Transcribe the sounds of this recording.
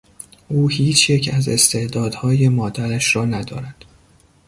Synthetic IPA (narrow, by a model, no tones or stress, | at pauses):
ʔuːhiːt͡ʃʰjecʰæze̞̰st̪ʰe̞ʔd̪ɒːd̪hɒːje̞mɒːd̪æɾæʃrɒːnæd̪ɒ̰ːɾæd̪̥